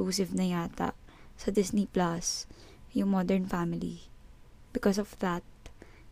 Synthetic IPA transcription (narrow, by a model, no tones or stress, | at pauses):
usɪvnɐjaːt̪ɐ̰ʔ | sɐd̪ɪsniplas | jʊŋmɔd̪ɛɹnfamɪlḭ | bɪkɔsɔvðɐt̪̚